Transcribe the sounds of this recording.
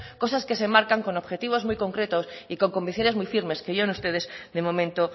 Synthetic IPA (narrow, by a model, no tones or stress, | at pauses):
ko̞saske̞se̞maɾkaŋko̞noβxe̞t̪iβ̞o̞zmujko̞ŋkɾe̞t̪osiko̞ŋko̞mbiθjo̞ne̞zmujfiɾme̞skeʝonust̪e̞ð̞e̞sðe̞mõ̞mẽnt̪o